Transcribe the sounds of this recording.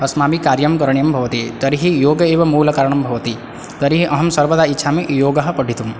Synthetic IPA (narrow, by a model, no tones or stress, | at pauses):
ɐsmaːmikaːɾjɐmkɐɾɳjɐmbʱɐʋɐt̪it̪ɐɾiɦijoːɡɐeːʋɐmuːlɐkaɾɐɳɐmbʱɐʋɐt̪i | t̪ɐɾiɦiʔɐɦɐmsɐɾbɐd̪aitːʃʰamejoːɡɐɦɐ̆pɐɖʱit̪ũm